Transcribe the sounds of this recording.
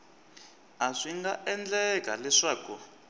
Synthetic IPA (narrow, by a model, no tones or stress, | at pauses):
aʂiŋɡaʔɛnd͡ɮɛka̰lɛʂaːku